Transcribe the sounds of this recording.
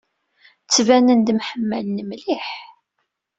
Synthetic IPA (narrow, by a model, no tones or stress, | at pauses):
t͡sːvænənd̪mħəmːælnəmliħ